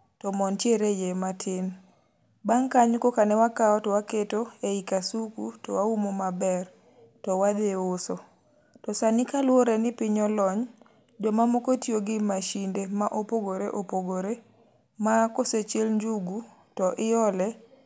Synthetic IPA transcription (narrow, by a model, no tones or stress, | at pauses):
tɔmɔntjeɾejematʰɪn | baŋkaɲkokanɛwakaɔtɔwaketoeikasukṵtɔwaumomabɛr | tɔwad̪eosɔ | tɔsanɪkalwoɾɛnɪpɪɲɔlɔɲ | d͡ʒomamɔkotioɡɪmaʃindemaʔopoɡoɾeʔopoɡoɾe | makoset͡ʃelɲd͡ʒuɡu | tɔʔɪjɔlɛ